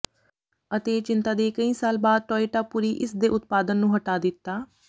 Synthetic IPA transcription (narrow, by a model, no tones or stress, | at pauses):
ət̪eːt͡ʃɪnt̪aːd̪eːkəĩːsaːlbaːd̪̚ʈɔːiːʈaːpuːɾiːʔɪsd̪eːʔʊt̪̚paːd̪ənːũːɦəʈaːd̪ɪt̪ːaː